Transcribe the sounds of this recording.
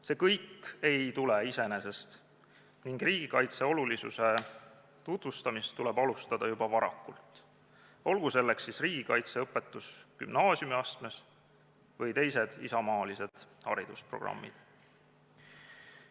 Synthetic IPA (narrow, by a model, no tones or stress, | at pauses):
se̞ːkɤjkːe̞jt̪uleise̞nese̞st̪ | niŋɡ̥riːɡ̥ikɑjt̪se̞o̞lulisṵse̞ | t̪ut̪vust̪ɑmist̪ːulɛbɑlust̪ɑd̪̥ɑjubɑvɑɾɑ̰kːult̪ | o̞lɡ̥use̞lːe̞ksːisriːɡikɑjt̪se̞ɤpːˑe̞t̪ːˑusky̰mnɑːsʲjumiɑst̪me̞s | vɤjt̪e̞jse̞d̪̥isɑmɑːlise̞d̪̥hɑ̰ɾid̪̥uspro̞̰ɡ̥rɑ̰mːḭd̪̥